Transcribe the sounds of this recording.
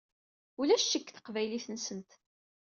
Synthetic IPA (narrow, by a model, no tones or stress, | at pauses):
ulæʃːəkːθə̥qvæjliθənsənt̪